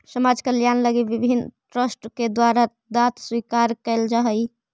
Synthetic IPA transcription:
səmad͡ʒkəljanləɡibibʱinʈɾəsʈked̪waɾa | d̪at̪swikaɾkɛɪld͡ʒaɦəj

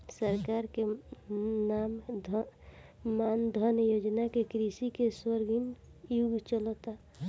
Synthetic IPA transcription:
səɾkaɾke | namd̪ʱ | mand̪ʱənjod͡ʒnakekɾisikeswəɾɡinjuɡʱt͡ʃəlɔt̪a

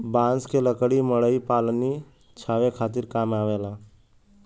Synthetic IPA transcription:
bãːnskeləkɽiməɽəipaːlni | t͡ʃʰaːʋekʰaːt̪iɾkaːmaːʋelaː

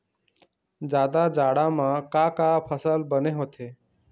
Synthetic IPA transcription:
d͡ʒaːd̪ad͡ʒaːɽamãkakapʰəsəlbəneɦoːt̪ʰeː

